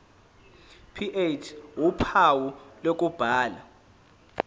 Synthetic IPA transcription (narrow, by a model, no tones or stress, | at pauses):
pʰiʔet͡ʃʰwupʰawulok̬ub̥ʱaːla